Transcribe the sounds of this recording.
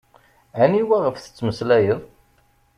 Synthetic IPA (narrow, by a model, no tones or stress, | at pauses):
æniwæʁəfθə̥t͡sːməslæjəðˤ